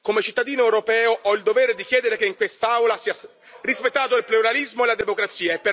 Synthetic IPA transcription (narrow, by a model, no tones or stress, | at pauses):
komet͡ʃit̪ːad̪iːnoewɾopɛːoʔɔild̪oveːɾed̪ikjɛːd̪eɾekeiŋkwest̪aawlasiːa | rispet̪ːaːt̪oilpluɾalizmoelad̪emokɾat̪sːiːaepːe